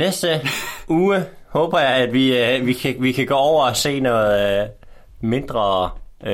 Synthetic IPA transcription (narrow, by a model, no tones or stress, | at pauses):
nesd̥əuːəhɔ̽ːb̥ɐjɑɪæd̥ʋiʋikʰæʋikʰæɡ̥ɔ̰ːɒʊɐɒse̝̰ːnɔ̽ːð̩ˠ | me̝nd̥ʁɐ